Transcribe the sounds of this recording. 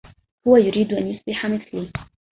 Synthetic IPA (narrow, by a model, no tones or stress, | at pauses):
hʊwajʊɾiːd̪ʔanjʊsbɪħamɪθliː